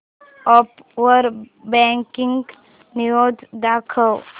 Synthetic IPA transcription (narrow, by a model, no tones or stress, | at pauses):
ɔp | ʋəɾbɛ̃ŋkɪ̃ŋɡɡ | nijoːd̪d̪aːkʰəw